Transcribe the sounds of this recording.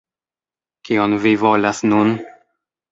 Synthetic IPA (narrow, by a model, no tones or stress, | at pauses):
kionvivolasnun